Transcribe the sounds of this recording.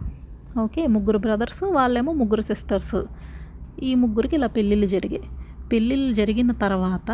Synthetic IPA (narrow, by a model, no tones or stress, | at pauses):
oːkeːmuɡuɾubɾɐd̪ɐɾsʋaːlːeːmomuɡuɾɐsisʈɐɾs | iːmuɡːuɾikelːɐpilːilud͡ʒɐɾiɡepilːilud͡ʒɐɾiɡinːɐt̪ɐɾɐʋaːt̪ɐ